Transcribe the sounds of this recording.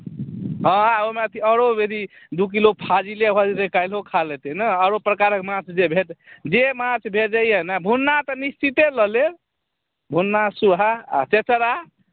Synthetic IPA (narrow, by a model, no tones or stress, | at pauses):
ɦə̃aomeət̪ʰiəɾobeɾi | d̪uk̬ilopʰad͡ʒilebʱəɾekajlɦokʰalɛt̪ɛnəəɾopɾəkaɾəkmãt͡ʃʰd͡ʒebʱeʈd͡ʒemãt͡ʃʰbʱeʈ̚d͡ʒajenabʱunːat̪ənist͡ʃit̪eləle | bʱunːasuɦaa̰t͡ʃet͡ʃəɾa